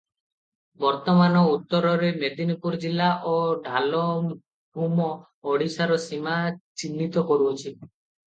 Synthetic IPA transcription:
bɔɾt̪ɔmanɔut̪ːɔɾɔɾemed̪inipuɾd͡ʒilːaʔoɖʱalɔ | bʱumɔː | ɽisaɾɔsimat͡ʃinːit̪ɔkɔɾuɔt͡ʃʰi

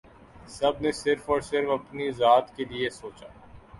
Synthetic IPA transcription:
sɐbnesɪɾfɔːɾsɪɾfɐpnizaːt̪keliesoːt͡ʃaː

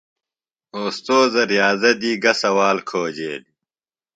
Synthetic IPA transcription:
oːst̪oːzɐɾjaːzɐd̪iːɡɐsɐwaːlkʰoːd͡ʑeːli

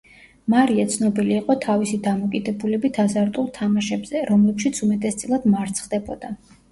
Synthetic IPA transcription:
maɾiat̪sʰnɔbiliːqʼɔt̪ʰavisid̪amɔkʼid̪ɛbulɛbit̪ʰazaɾt̪ʼulˠt̪ʰamaʃɛbz̥ɛɾɔmlɛpʃit̪sʰumɛt̪ʼɛst̪sʼilˠad̪maɾt̪sʰχd̪ɛbɔd̪a

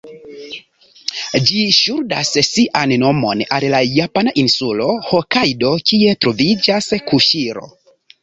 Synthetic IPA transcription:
d͡ʒiʃuɾdassiʔanno̞mo̞nallajapanaʔinsulo̞hokajdo̞kie̞tɾo̞vid͡ʒaskuʃiɾo̰

